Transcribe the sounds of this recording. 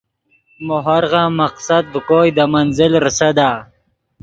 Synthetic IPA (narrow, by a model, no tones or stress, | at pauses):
moɦaɾʁamaqsad̪̚bəkojd̪amanzɪlɾəsad̪aː